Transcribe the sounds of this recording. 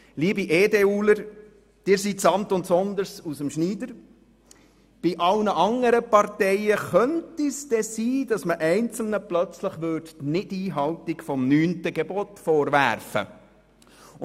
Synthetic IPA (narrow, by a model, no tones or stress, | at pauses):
liːbiʔeːdeuːləɾ | d̥ɪːɾsitsɑnt̪ʊntsɔnd̪əɾsusəmʃniːdəɾ | b̥iʔɑlnəʔɑŋəɾəpɑrtɛɪəχœntisd̥ɛsiːd̥ɑsməʔɛɪnt͡sl̩nəplœt͡sləχʋʏːrdnɪtiːɦɑwtikfɔmnyːntəɡɛbotfɔːɾʋæ̰ɾfə̰